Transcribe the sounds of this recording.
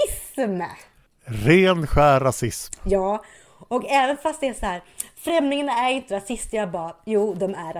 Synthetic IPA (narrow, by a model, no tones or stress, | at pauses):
sm | ɾeːnɧæːɾasɪsmjɑː | ɔkɛːvənfast̪d̪ɛæsɔhæːɾfɾɛmnɪŋanaæɾɪnt̪əɾasɪst̪əjabɑːɾajuːd̪ɔmæɾa